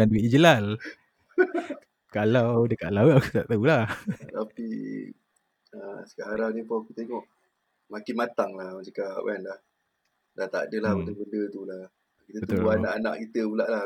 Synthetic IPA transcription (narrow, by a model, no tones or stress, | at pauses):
anduiid͡ʒəlal | kalawdəkaʔlawaku̥t̪aʔt̪aulaht̪api | ə̰sə̥kaʔaɾanipɔkut̪əeŋɔʔ | makɪnmat̪aŋlahməd͡ʒəkaʔwʔɛnlah | dat̪a̰dəlahbəd̪əbəndət̪ula | kit̪əbət̪olanaʔana̰ʔkit̪əbulaʔla